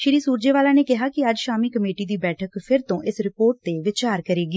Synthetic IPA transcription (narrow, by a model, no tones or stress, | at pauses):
ʃɪɾiːsuːɾd͡ʒeːʋaːlaːneːkɪɦaːkɪəd͡ʒʃaːmiːkəmeːʈiːd̪iːbɛːʈʰəkpʰɪɾt̪õːʔɪsɾɪpoːɾʈ̚d̪eːʋɪt͡ʃaːɾkəɾeːɡiː